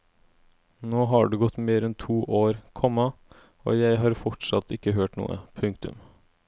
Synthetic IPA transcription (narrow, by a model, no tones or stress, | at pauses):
noːɦɑːɖʉːɡɔt̪ːmeːɾɛnt̪ʰuːʔoːɾkʰɔmɑ | o̰ːjæɪɦɑːɾfɔʈʂɑ̰t̪ːɪkəɦøːʈnṵːə̰pʰʉŋk̚t̪ʉ̰m